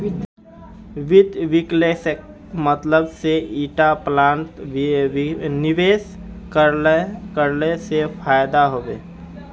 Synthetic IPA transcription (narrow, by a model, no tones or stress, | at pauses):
ʋɪd̪ʋɪklese | mət̪ləbseiːʈaplãːɳʈ | nɪʋeːsk | kəɾlesepʰaːjd̪aɦoʋeː